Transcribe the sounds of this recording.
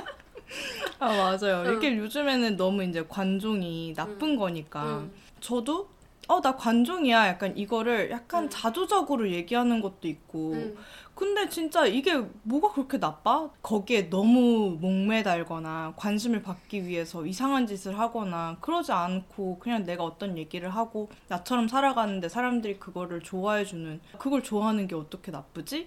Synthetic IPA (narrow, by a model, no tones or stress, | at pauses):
amad͡ʑajoiɾʌkʰe̞jod͡ʑɯme̞nɯnːʌmuind͡ʑe̞kwand͡ʑoŋinap͈ɯnɡʌɲik͈a | t͡ɕʌdo | ʌdakwand͡ʑoŋijajak̚k͈anʔiɡʌɾɯɭjʔak̚k͈ant͡ɕadud͡ʑʌɡɯɾoje̞ɡiɦanɯnɡʌt̚t͈oik̚k͈okɯnde̞t͡ɕint͡ɕ͈aiɡe̞moɡakɯɾʌkʰe̞nap͈̚akʌɡie̞nʌmumoŋme̞daɭɡʌnakwanɕʰimɯɭpak̚k͈iɥiɦe̞sʰʌisʰaŋɦand͡ʑisʰɯɭɦaɡʌnakɯɾʌd͡ʑiankʰokɯɲaŋne̞ɡaʌt͈ʌnje̞ɡiɾɯɭɦaɡonat͡ɕʰʌɾʌmsʰaɾaɡanɯnde̞sʰaɾamdɯɾikɯɡʌɾɯɭt͡ɕoaɦed͡ʑunɯnkɯɡʌɭt͡ɕoaɦanɯnɡe̞ʌt͈ʌkʰe̞nap͈ɯd͡ʑi